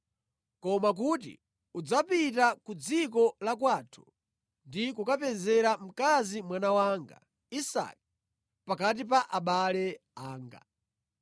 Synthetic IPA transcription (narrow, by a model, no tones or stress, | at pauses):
kɔmak̬utḭ | ud͡zapit̬akud͡zik̬ɔlakwaːtʰu̥ | ndikukapɛzɛɾam̩kazimwanawaŋɡa̰ | isa̰k̚i | pakat̬ip̬aʔaɓalɛaːŋɡa̰